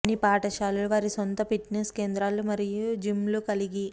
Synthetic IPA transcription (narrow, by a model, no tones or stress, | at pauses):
nipaːʈɐʃaːluluʋaːɾisont̪ɐpiʈniske̞ːnd̪ɾaːlumɐɾijud͡ʒimlukɐliɡi